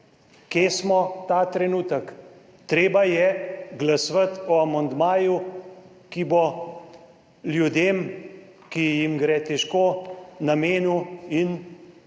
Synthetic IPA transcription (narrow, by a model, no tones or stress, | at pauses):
keːsmɔt̪aːt̪ɾɛnuːt̪ək | t̪ɾeːbajɛɡlasʋət̪ɔamɐnd̪maːju | kibo | ljud̪eːm | kijimɡɾɛt̪ɛʃkoːnameːnuin